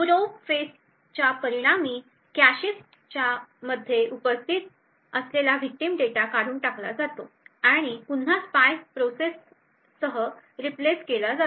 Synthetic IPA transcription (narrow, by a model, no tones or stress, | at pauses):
puɾofes | t͡ɕjapəɾiɽ̃amiː | kæɕis | t͡ɕjaməd̪ʱːjeʔupəst̪ʰit̪ | əslelaʋik̚ʈimɖeʈakaɾuːɳʈakla̰d͡zat̪o | aɽ̃ipun̤aspajpɾosesː | əɦə | ɾipleskelad͡za